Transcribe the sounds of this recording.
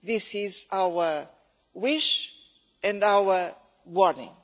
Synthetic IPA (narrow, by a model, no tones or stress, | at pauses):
ðisizawə | wiʃ | ɨ̃ndawə | wɔɾnɪ̰̃ŋ